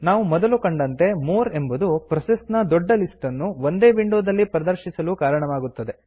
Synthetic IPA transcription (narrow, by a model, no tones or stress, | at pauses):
naːʋumɔd̪ɐlukɐɳɖɐnt̪e̞moːɾe̞mbud̪upɾɐsesnɐd̪ɔɖːɐlisʈɐnːuʋond̪e̞ːʋiɳɖuːd̪ɐlːipɾɐd̪ɐɾʃisɐluːkaːɾɐɳɐʋaːɡut̪ːɐd̪e̞